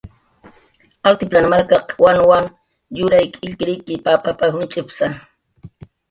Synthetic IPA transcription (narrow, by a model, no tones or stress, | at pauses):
alt̪ɪplanmaɾkaqwanwaŋ | jʊɾajkɪʎkɪɾɪjkɪpapapahʊnt͡ʃʼɪpsa